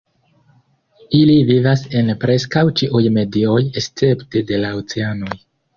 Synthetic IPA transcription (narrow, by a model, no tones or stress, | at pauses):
ilivivase̞npɾe̞skawt͡ʃiʔujme̞dio̞jest͡se̞ptede̞laot͡seano̞j